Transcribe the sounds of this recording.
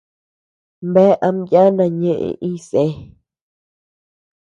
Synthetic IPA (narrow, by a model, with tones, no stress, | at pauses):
mbe˦ʔa˧˦mja˦nã˧ɲẽ˦ʔḛ̃˧˨ʔĩ˦se˦